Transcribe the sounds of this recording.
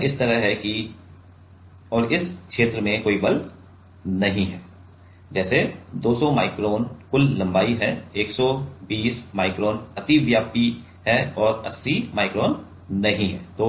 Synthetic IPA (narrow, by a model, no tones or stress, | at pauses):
ɪst̪əɾəɦɦɛki | ɔːɾɪskʃeːt̪ɾəmẽkoːibɐlt̪ | nɐɦĩɦɛː | d͡ʒɛːsed̪oːsɔmaːɪkɾoːnkʊlːɐ̃mbaːiɦɛeːksɔbiːsmaːɪkɾoːnɐt̪iʋjaːpi | ɦɛɔːɾɐsːimaːɪkɾoːnː | ɐɦĩɦɛːt̪oː